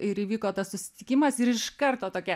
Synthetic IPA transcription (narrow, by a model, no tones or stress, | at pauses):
ɪɾiːʋʲiːkoːt̪ɐssʊsʲɪ̥t̪ʲɪkʲɪmɐsɪɾɪʃkɐrt̪oːt̪oːkʲɛ